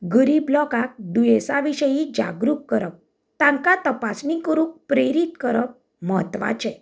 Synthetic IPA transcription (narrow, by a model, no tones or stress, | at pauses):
ɡəɾiblɔkak̚d̪ujesaʋiɕəjid͡ʑa̰ɡɾukːəɾəp̚ | t̪ãŋkat̪əpasnĩkəɾũk̚pɾeɾit̪kəɾəp̚ | mɦət̪ʋa̰t͡ɕɛ̃